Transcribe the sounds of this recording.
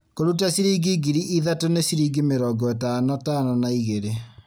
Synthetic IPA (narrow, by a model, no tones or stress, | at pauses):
koɾut̬asiɾiɡiɡiɾiʔiðatonesiɾiɡimeɾɔɡɔetanɔtanɔnaiɣeɾe